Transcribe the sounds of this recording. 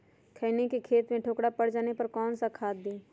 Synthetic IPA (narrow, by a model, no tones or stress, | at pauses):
kʰəɪnekikʰeːt̪mẽʈʰoːkɽapɐɽd͡ʒaːnepɐɾkɔːnsakʰaːd̪d̪iː